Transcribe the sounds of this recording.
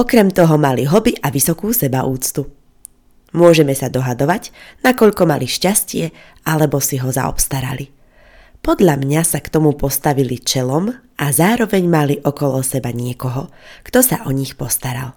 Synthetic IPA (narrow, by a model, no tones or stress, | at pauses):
ɔkɾɛmt̪ɔɦɔmaliɦɔbiʔaʋisɔkuːsɛbauːt͡st̪u | mʊɔʒɛmɛsad̪ɔɦad̪ɔʋaɟnakɔʎkɔmaliʃcascɪɛ | alɛbɔsiɦɔza̰ɔ̰pst̪aɾa̰li | pɔd̪ʎamɲasakt̪ɔmupɔst̪aʋilit͡ʃɛlɔm | azaːɾɔʋɛɲmaliʔɔkɔlɔsɛbaɲɪɛkɔɦɔkt̪ɔsaʔɔɲixpɔst̪aɾa̰l